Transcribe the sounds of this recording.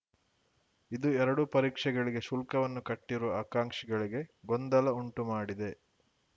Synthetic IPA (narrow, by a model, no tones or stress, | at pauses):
id̪uɛɾɐɽupɐɾiːkʂɛɡɐɭiɡe̞ʃulkɐʋɐnːukɐʈːiɾuʋɐaːkaːŋkʂɛɡɐɭiɡe̞ɡond̪ɐlɐuɳʈumaːɽid̪e̞